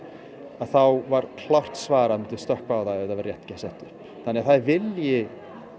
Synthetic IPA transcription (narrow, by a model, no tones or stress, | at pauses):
aðθawvaɾ̥kʰlawr̥t̪svaːɾamɛɪnt̪ɪ̥st̪œhkvawθaɛɛɾt̪avɾrjɛht̪cɛsɛht̪ʏɾ̥ | θanːɛɣaðθaðvɪljɪ